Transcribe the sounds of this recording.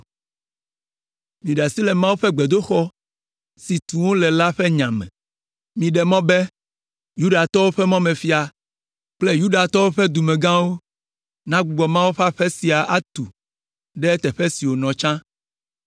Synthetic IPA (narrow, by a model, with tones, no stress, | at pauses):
mĩ˨ɖa˨si˦lɛ˨mã˦wu˦ɸɛ˦ɡ͡bɛ˨d̪o˦xɔ˦ | si˨t̪ũ˨wo˦lɛ˨la˦ɸɛ˦ɲã˨mɛ̰̃˨ | mĩ˨ɖɛ˨mɔ̃˦bɛ˦ | ju˦ɖa˨t̪ɔ˦wo˦ɸɛ˦mɔ̃˦mɛ̃˨fi˦a˨ | k͡plɛ˦ju˦ɖa˨t̪ɔ˦wo˦ɸɛ˦d̪u˨mɛ̃˨ɡã˦wo˦ | nã˦ɡ͡bu˨ɡ͡bɔ˨mã˦wo˦ɸa˦ɸɛ˦si˨a˨ʔa˦t̪u˨ | ɖɛ˦t̪ɛ˨ɸɛ˦si˨wo˨nɔ̃˨t͡ʃã˦